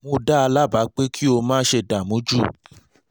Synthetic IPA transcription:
mũ˦da˦a˧la˦˨ba˨˦k͡pe˦kʰi˦o˧mãː˦ʃe˧˨da˨mũ˨˦d͡ʒu˦

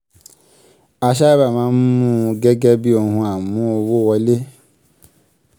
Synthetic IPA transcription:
a˧ʃ̬a˦i˦ba˦˨mãː˨˦n̩˦mũ˦ɡɛ˦ɡɛ˦bi˦o˧˨hũ˧a˨mũ˨˦o˧wo˦˨wɔ˧˦le˦

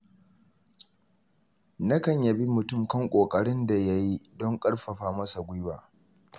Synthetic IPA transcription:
nɐ˦kɐ˨ɲjɐ˨bi˦mʊ˨tʊ˦˨mkɐ˦ŋkʷʼoː˨kʼɐ˨ɽɪ˦nda˨ja˦ji˦dɔ˦ŋkʼɐ˦ɽɸɐ˨ɸaː˦mɐ˦sa˨ɡʷʊ˦jwaː˨

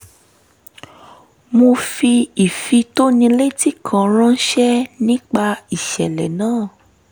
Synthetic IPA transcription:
mo˧fi˧i˨fi˧to˦nĩ˧le˦ti˦˨kʰã˨ɾ̃ã˦n̩˦ʃɛ˦nĩ˦k͡pa˧i˨ʃɛ˨lɛ˨nãː˦˨

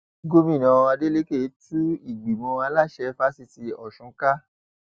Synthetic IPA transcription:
ɡo˦mĩ˦˨nã˨˧a˧de˦le˦ke˦˨˦tu˦i˦˨ɡ͡bi˨mɔ̃˧a˧˦la˦˨ʃɛ˧fa˦si˧ti˧ɔ˨ʃũ˨˦ka˦

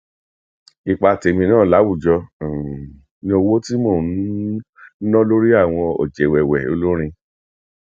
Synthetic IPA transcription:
i˧˨k͡pa˧˨te˧mĩ˧nãː˦˨la˨˦wu˦˨d͡ʒɔ˧˨ | nĩ˧˦o˧wo˦ti˦mõ˦˨˦ | ɔ̃˦lo˦ɾi˦a˦˨w̃ɔ̃˧ɔ̰˨d͡ʒɛ˨wɛ˨wɛ˨o̰˦lo˦ɾ̃ĩ˧

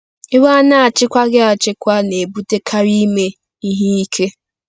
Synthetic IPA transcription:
ɪ˦wa˦a˦na˦a˨t͡ʃɪ˦kʷa˦ɡɪ˦a˨t͡ʃɪ˦kʷa˦ne˨bu˦te˦kʰa˦ɾi˦me˦ | i˦ɦe˦i˦kʰe˦

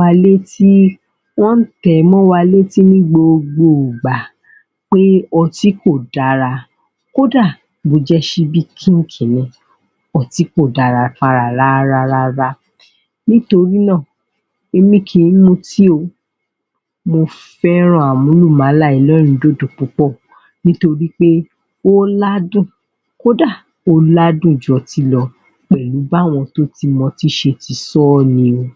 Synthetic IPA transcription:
a˧le˦ti˦ | wɔ̃˦n̩˦tɛ˨˦mɔ̃˦wa˧le˦ti˦mĩ˦ɡ͡bo˧o˧ɡ͡bo˨ɡ͡ba˨ | k͡pe˦ɔ˧˨ti˨˦ko˦˨da˨˦ɾa˧ | ko˦da˦˨ | bo˧˦d͡ʒɛ˦ʃi˧bi˦kʰĩ˦n̩˦kʰĩ˨nĩ˧ | ɔ˦˨ti˨˦ko˦˨da˨ɾa˨˧fa˧ɾa˨ɾa˦ɾa˧ɾa˧ɾa˧ | nĩ˦to˧ɾi˦nã˦˨ | e˧mĩ˦˨kʰĩ˧ĩ˦mo˧ti˦o˧ | mo˧ | fɛ˦ɾ̃ɔ̃˦˨a˨mũ˨˦lu˦˨mã˨˦la˦˨i˨˦lɔ˦ɾ̃ĩ˧˨˦do˦˨do˨k͡pũ˨˦k͡pɔ˦˨ | nĩ˦to˧ɾi˦k͡pe˦ | o˦la˦dũ˦˨ | ko˦da˦˨ | o˧la˦dũ˦˨d͡ʒɔ˨ti˧lɔ˧ | k͡pɛ˨lu˨˦ba˦˨w̃ɔ̃˧to˦ti˧mɔ̃˧ti˦ʃe˧ti˧sɔ˦˨nĩ˧o˧

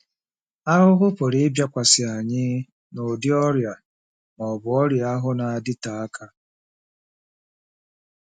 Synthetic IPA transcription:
a˦ɾʊ˦ɦʊ˦po˨ɾɪ˦ɪ˦bja˦kʷa˨sɪ˨a˨ɲɪ˦ | nʊ˨dɪ˦ɔ˦ɾja˨ | nɔ˨bʊ˨ɔ˦ɾja˨a˦ɦʊ˦na˨a˨dɪ˦ta˨a˦kʰa˦

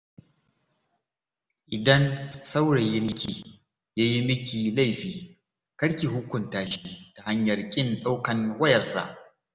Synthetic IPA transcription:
ʔɪ˨dɐ˦nsa˦wɽe˨ji˦mɪ˦kʲiː˨ | jaː˦ji˦mɪ˦kʲiː˨la˦˨jɸiː˦ | kɐ˦ɽkʲiː˨ɦʊ˦kʷʊ˨ntaː˦ʃi˦ta˨ha˦ɲjɐ˨rkʲʼɪ˦nɗʼa˦wkɐ˨ŋwɐ˦jɐ˨rsa̰˨ʔ

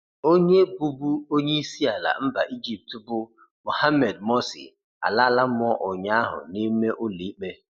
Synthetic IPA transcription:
o˦ɲe˦bu˦bu˦o˦ɲe˦i˦si˦a˨la̰˨m̩˦ba˨ʔi˦d͡ʒi˨p̚tbʊ˦ | mʊ˨ha˦me˨dmo˦sḭ˨ | a̰˨la˦la˦m˦ɔ˦ʔʊ˨ɲa˦ɦʊ̰˨ni˦me˦ʔʊ˦li˨i˦k͡pe˦

